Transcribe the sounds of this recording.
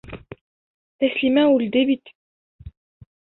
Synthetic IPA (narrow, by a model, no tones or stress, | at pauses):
ɛslimæ̃uld̪ebit̪